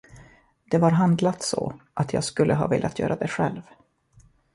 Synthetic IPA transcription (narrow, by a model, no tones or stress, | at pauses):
d̪̥ɛvaɾɦand̪lat̪sɔ̰ʔat̪jɑːɡskɵlːʔəɦɑ̰ːvɪ̰ːljʔat̪ʰjœ̰ːɾʔad̪ɛɧɛlv